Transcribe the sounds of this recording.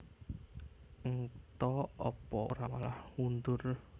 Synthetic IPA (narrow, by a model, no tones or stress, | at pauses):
ŋt̪ɔɔpɔoɾawalahwund̪ʊr